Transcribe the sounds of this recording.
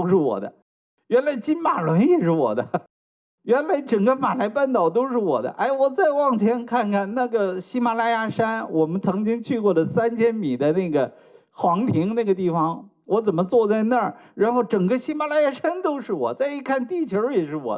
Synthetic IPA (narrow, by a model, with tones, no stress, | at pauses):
t̪o˥ʊʂɻ̩˥˩wɔ̰˨˩d̪ə̰˦ | ɥɛ˧˥nla˧˥ɪt͡ɕi˥nma˨˩lwə˧˥njɛ˨˩ʂɻ̩˥˩wɔ̰˨˩d̪ə˦ | ɥɛ˧˥nla˧˥ɪʈ͡ʂɤ˨˩ŋɡə˦ma˨˩la˧˥ɪpa˥˩nt̪ɑ˨˩ʊt̪o˥ʊʂɻ̩˥˩wɔ̰˨˩d̪ə̰˦ʔa˥˩ɪwɔ˨˩t͡sa˥˧ɪwɑ˥˩ŋt͡ɕʰjɛ˧˥nkʰa˥˩nkʰa˨˩nna˥˩ɡə˩ɕi˥ma˧˩la˥˧ja˥˧ʂa˥nwɔ˨˩mə˦nt͡sʰɤ˧˥ŋt͡ɕi˥ŋt͡ɕʰy˥˧kwɔ˥˩lə˩sa˥nt͡ɕʰjɛ˥nmi˨˩d̪ə˦na˥˩ɪɡə˩ | xwɑ˧˥ŋt̪ʰi˧˥ŋna˥˩ɡə˩t̪i˥˩fɑ˧ŋ | wʔɔ˧˥t͡sə˨˩nmə˦t͡swɔ˥˧t͡sa˥˧ɪna˥˩ɻa˧˥nxo˥˩ʊʈ͡ʂɤ˨˩ŋɡə˦ɕi˥ma˨˧˩la˥ja˥˧ʂa˥nt̪o˥ʊʂɻ̩˥˩wɔ̰˨˩t͡sa˥˧ɪi˥˩kʰa˥˧nt̪i˥˩t͡ɕʰjo˧˥jɛ˨˩ʂɻ̩˥˩wɔ̰˨˩˦